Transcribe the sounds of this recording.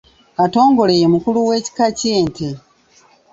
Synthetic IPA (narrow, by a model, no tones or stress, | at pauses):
ato̞ːŋɡo̞le̞jemukuluwe̞ːci̥kaceːnte